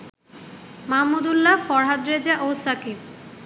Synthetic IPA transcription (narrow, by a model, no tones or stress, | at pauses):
mamud̪ulːafɔɾɦad̪ɾed͡ʑaʔosakib